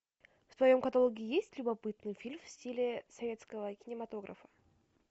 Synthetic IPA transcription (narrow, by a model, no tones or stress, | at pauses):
ft̪vɐjo̞mkɐt̪alˠoɡʲɪɪjesʲtʲlʲʊbɐpɨt̪nɨjfʲilʲmfsʲtʲilʲɪsɐvʲe̞t̪skəvəkʲɪnʲɪmɐt̪o̞ɡɾʔə̰fə̥